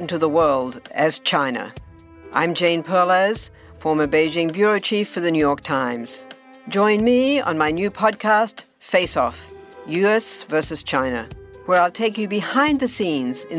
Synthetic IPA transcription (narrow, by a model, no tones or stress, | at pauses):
n̩tɨðəwɜ˞lˠdɨz̥t͡ʃʰãɪ̃nɨ̰ | ʔã̰ɪ̃md͡ʒẽɪ̃npʰɜ˞lˠəz̥ | fɔɹmə˞beɪd͡ʒɪ̃ŋbjʊɹoʊt͡ʃʰifə˞ðɨnjʉjɔɹk̚tʰãɪ̃mz̥ | d͡ʒɔ̃ɪ̃nmiə̰̃nmaɪnjʉpʰɑd̚kʰæst | feɪsɔ̰fjʉɛsvɜ˞sɨz̥t͡ʃʰãɪ̃nɨ̰wə˞aɪlˠtʰeɪkjɨbɨhãɪ̃nðɨsĩnzɨ̃